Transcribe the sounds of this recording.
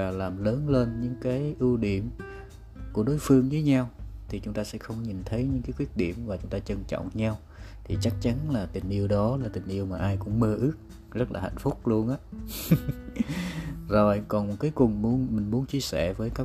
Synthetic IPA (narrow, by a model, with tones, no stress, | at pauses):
vaː˨˩laː˨˩mləː˨˦nle˧nɲɨ̰˧˥ŋkaː˨˦jʔɨ˧wɗi˧˩əm | ku˧˩əɗo˨˦jfɨ˧əŋzəː˨˦jɲa˧wt̪ʰi˨˩t͡ɕʊ˨˦ŋ͡mt̪aː˧sɛ̰˧˥xə˧wŋ͡mɲi˨˩nt̪ʰə˨˦jɲɨ̰˧˥ŋkaː˨˦jkwi˦˥t̚ɗi˧˩əmvaː˨˩t͡ɕʊ˨˦ŋ͡mt̪aː˧t͡ɕə˧nt͡ɕɔ̰˧˨ŋ͡mɲa˧w | t̪ʰi˨˩t͡ɕa˦˥k̚t͡ɕa˨˦nlaː˨˩t̪ï˨˩ŋ̟ʔi˧əwɗɔ˨˦laː˨˩t̪ï˨˩ŋ̟ʔi˧əwmaː˨˩ʔaː˧jkʊ̰˧˥ŋ͡mməː˧˩ʔɨ˦˥ək̚ | zə˦˥t̚laː˨˩ha̰˧˨jŋ̟fʊ˦˥k͡p̚lu˧ənʔaː˨˦ | zo˨˩jkɔ˨˩nmo˨˩t̚kaː˨˦jkʊ˨˩ŋmu˨˦ənmï˨˩ŋ̟mu˨˦ənt͡ɕi˧əsɛ˧˩vəː˨˦jkaː˦˥